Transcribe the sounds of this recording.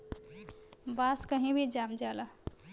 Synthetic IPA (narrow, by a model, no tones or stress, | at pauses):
baskəɦĩbʱid͡ʒamd͡ʒalə